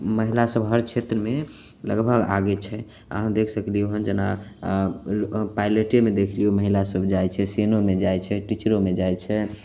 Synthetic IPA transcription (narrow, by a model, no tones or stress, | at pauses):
məɦilasəbɦəɾt͡ʃʰet̪ɾəme | lə̰ɡbʱəɡa̰ɡɛt͡ʃʰɛ | ə̰ɦãd̪ekʰsəklioɦənd͡ʒena̰ | pajleʈemed̪ekʰlioməɦilasəbʱd͡ʒajt͡ʃʰɛsenomed͡ʒajt͡ʃʰɛʈit͡ʃɾomed͡ʒajt͡ʃʰɛ